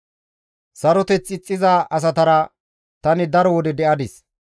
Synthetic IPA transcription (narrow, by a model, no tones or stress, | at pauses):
sɐɾɔt̪ɛt͡sɪt͡sʼːɪzaʔɐs̬ɐt̪ɐɾɐ | t̪ɐnɪd̪ɐɾɔwɔd̪ɛd̪ɛʔɐd̪ɪs